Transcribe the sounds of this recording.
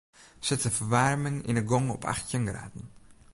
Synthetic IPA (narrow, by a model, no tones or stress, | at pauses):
sɪtsəfərʋarmɪŋḭnəɡɔŋɔ̰pʰa̰xtjənɡra̰ːdn̩